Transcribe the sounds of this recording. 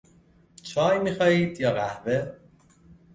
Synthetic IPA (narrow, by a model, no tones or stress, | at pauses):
t͡ʃʰɒːjmiːxɒːiːd̪̥jɒːɣæhve